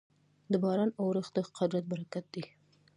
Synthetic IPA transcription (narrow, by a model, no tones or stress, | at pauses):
d̪əbɑɾɑnawɾəxd̪əqad̪ɾat̪̚baɾakat̪̚d̪i